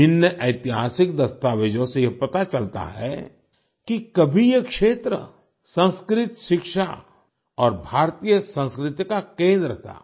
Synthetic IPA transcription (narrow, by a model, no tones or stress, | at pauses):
ɪnjəʔɐɪt̪ɪɦaːsɪkd̪ɐst̪aːʋed͡ʒõsejepɐt̪at͡ʃɐlt̪a̰ɦɛ̰ | kikɐbʱijekʃeːt̪ɾə̰ | sə̃nskɾɪt̪ʃɪkʃa̰ | ɔːɾbʱaːɾt̪iːjəsə̃nskɾɪt̪jkakẽːnd̪ɾət̪ʰa̰ː